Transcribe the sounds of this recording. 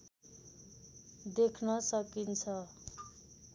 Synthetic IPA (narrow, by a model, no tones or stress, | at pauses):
d̪ekʰnʌsʌkint͡sʰʌ